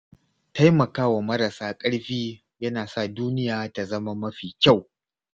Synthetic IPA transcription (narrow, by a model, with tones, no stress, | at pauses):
ta˦jmɐ˨kaː˦wa˨mɐ˦ɾɐ˨saː˦kʼɐ˦ɽɸiː˦ | jɐ˦naː˨sa˦˨duː˦nɪ˦jaː˨ta˨zɐ˦ma˦mɐ˦ɸiː˨kʲa˦˨w